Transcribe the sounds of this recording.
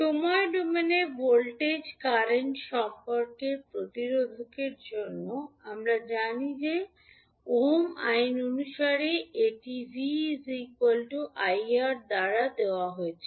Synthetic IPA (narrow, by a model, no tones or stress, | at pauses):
ʃomaeɖumenebolʈed͡ʑkaɾeɳʈʃɔmpoɾkeɾpɾot̪iɾod̪ʱokeɾd͡ʑonːoamɾad͡ʑanid͡ʑe | oma̰jnonuʃaɾeeʈibʱisikwalʈuʔajaɾd̪aɾad̪eoaɦoet͡ɕʰe̥